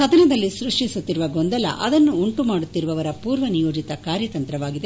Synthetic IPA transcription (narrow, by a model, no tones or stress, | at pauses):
sɐd̪ʱɐnɐd̪ɐlːisɾuʂʈisut̪ːiɾuʋɐɡo̞nd̪ɐlɐ̰ʔɐd̪ɐnːuːɳʈumaːɽut̪ːiɾuʋɐʋɐɾɐpuːɾʋɐnijo̞ːd͡ʒit̪ɐkaːɾjɐt̪ɐnt̪ɾɐʋaːɡid̪e̞